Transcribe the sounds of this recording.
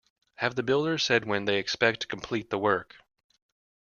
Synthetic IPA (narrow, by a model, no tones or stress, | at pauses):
hɨvðɨbɪlˠdə̥˞sɛd̚wɨ̃nðeɪɨkspɛk̚tʰə̥kʰm̩pʰl̥it̪̚ðəwɜ˞k